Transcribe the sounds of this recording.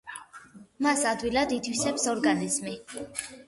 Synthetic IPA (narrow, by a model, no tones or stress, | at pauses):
masad̪wilad̪it̪ʰwisɛpsɔɾɡanizmi